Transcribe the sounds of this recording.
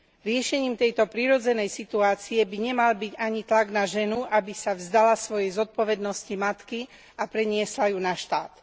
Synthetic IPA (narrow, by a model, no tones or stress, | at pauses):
ɾɪɛʃɛɲiːmt̪ɛjt̪ɔpɾiɾɔd͡zɛnɛjsit̪uaːt͡siɛbiɲɛmalbiɟaɲit̪laɡnaʒɛnuʔabisavzd̪alasʋɔjɛjzɔt̪̚pɔʋɛd̪nɔscimat̪ki | apɾɛɲɪɛslajuːnaʃt̪aːt̪